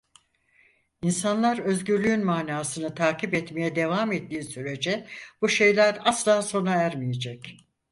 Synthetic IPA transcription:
insanlˠaɾø̞zɟyɾlʲyynmaːnaːsɯnɯt̪ʰaːcipɛt̪mejɛd̪e̞vaːmet̪ːiːsyɾe̞d͡ʒɛb̥uʃe̞jlʲæɾaslˠaːso̞naæɾmijed͡ʒɛc

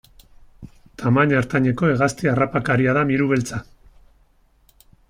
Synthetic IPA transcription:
t̪ʰamaɲaɾt̪aɲe̞ko̞e̞ɣast̪iarapakaɾiaðamiɾuβ̞e̞lt͡sa

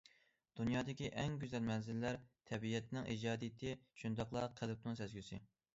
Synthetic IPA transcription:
d̪̥unjɑːd̪ɪkʲiʔɛŋɡʲyzɛlmɛnzɪlːæɾt̪ʰɛbijɛt̪ʰnɪŋʔḭd͡ʒɑːd̪ijt̪ʰɪʃund̪ɑqlˠɑqʰælɪp̚nɪŋsɛzɡʲysɪ̰

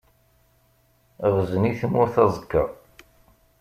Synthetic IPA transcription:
ʁəzəniθəmʊɾθɑzˤəkːəʁˤ

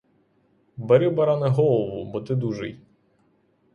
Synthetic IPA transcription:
bɐɾʲubɐɾanɛɦɔlˠɔʋʊbɔt̪ɪd̪uʒɪ̰j

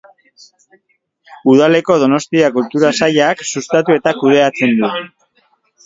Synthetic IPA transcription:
uðale̞ko̞ð̞o̞no̞st̪iakult̪uɾasaʎaːksust̪at̪ue̞t̪akuð̞e̞at͡se̞nd̪u

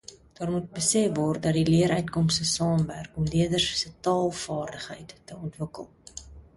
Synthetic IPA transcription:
d̥ɑːrmut̚bəsɛfvɔrt̚dɐtdiliəɾœɥtkɔmstəsɑːmværkɔmliədərssətɑːlˠfɑːrdəχɦə̰jtːəɔntvəkə̰lˠ

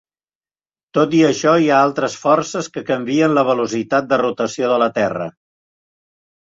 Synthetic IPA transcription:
t̪ot̪iəʃɔiaalˠt̪ɾəsfɔrsəskəkəmbiənləβ̞əlusit̪at̪̚d̪ərut̪əsioðələt̪ɛrə̰

